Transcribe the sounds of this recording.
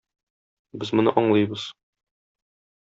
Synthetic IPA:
bɘzmŏnɤ̰ʔɒɴlˠɤjbɤz̥

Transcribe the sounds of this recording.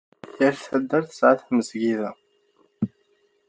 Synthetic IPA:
jəɾθæd̪ːəɾθə̥sʕaθməzɡiðæ

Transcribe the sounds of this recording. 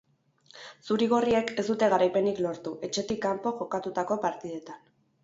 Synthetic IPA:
suɾiɣ̞o̞rie̞ke̞zd̪ut̪e̞ɣ̞aɾajpe̞niklo̞ɾt̪uʔe̞t͡ʃe̞t̪ikːampo̞ʝo̞kat̪ut̪ako̞paɾt̪ið̞e̞t̪an

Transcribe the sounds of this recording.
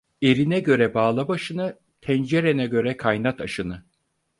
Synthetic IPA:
e̞ɾinɛɟø̞ɾɛbaːlˠabaʃɯnɯ | t̪ʰɛnd͡ʒeɾenɛɟø̞ɾɛkʰajnat̪ʰaʃɯnɯ

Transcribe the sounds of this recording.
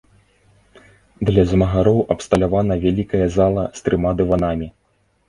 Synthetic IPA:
d̪lʲɐzʲɐmɐɣaɾɔwʔɐpst̪ɐlʲavanɐvʲalʲikɐjɐzalˠɐst̪ɾɨmad̪ɨvanamʲi

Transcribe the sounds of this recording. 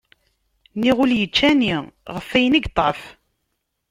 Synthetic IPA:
niʁʊljət͡ʃːæniʁəfːæjəniɡt̪ˤːɑ̰f

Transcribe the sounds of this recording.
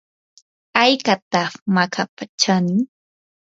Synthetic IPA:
ajkat̪aχmakʰapat͡ʃanɪ

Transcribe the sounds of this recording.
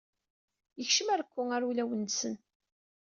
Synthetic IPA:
jəçʃəmæɾkʷːʊŋæɾulæwənːsən

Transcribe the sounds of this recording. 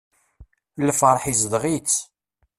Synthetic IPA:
lːfɾˤħizd̪ʁit͡sː

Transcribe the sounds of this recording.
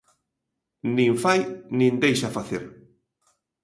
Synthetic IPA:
nĩŋfajnĩnd̪ejʃafaθeɾ

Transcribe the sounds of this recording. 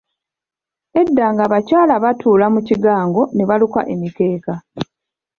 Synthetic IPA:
e̞dːaːŋɡaβacaːlaβatʰuːlamuciɡaːŋɡo̞ne̞βaluka̰ʔe̞mite̞ːka

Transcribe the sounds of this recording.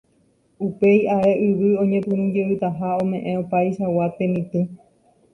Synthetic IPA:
upe̞jaeʔɨʋɨõ̞ɲẽpɨ̃ñũd͡ʒeɨt̪aɦaõmẽ̞ʔẽopajʃawat̪emĩt̪ẽ

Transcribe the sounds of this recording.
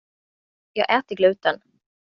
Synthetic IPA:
jɑːɡʔɛːt̪əɡlʉ̟ːt̪ən

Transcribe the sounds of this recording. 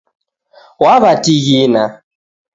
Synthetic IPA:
waβatʼiɣina

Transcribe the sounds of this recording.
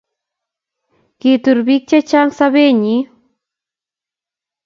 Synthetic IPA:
kit̪ʊɾbik̚t͡ʃat͡ʃaŋsaβeɲi

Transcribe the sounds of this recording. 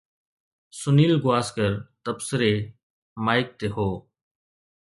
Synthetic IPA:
sʊniːlɡʊaːskəɾt̪əbsəɾeː | maːɪk̚t̪eːɦoː

